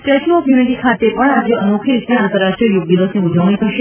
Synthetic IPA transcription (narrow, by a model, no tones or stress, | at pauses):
ʈɾeʃiɔfjuniʈikʰat̪epəɳad͡ʒeənokʰiɾitiãnt̪əɾaʃʈɾiəjuɡ̚d̪iʋəsniud͡ʒʱəʋɳ̃ĩt̪ʰəʃe